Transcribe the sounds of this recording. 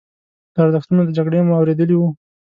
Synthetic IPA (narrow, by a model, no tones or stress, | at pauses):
d̪̥əaɾzəxt̪unod̪əd͡ʒaɡɽemoawɾed̪əliwu